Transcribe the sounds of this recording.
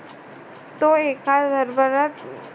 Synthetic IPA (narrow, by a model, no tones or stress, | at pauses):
t̪oeːkad̪ʱəɾbəɾət